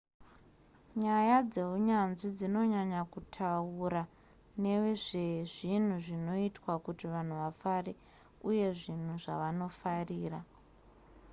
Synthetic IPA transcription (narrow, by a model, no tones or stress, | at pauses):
ɲajad͡ze̞uɲanʐid͡zino̞ɲaɲakutʰauɾa | ne̞ʋeʐe̞ʐin̤uʐino̞itwakutiʋan̤uʋafare | uje̞ʐin̤uʐa̰ʋano̞fariːra